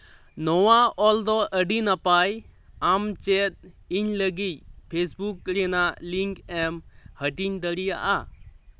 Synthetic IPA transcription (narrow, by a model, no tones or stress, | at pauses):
nɔwaɔld̪ɔʔəɖinapaj | amt͡ʃɛt̪̚ | iɲləɡicpʰesbukːɾɛnaliŋkɛmhəʈiɲd̪əɾijaʔa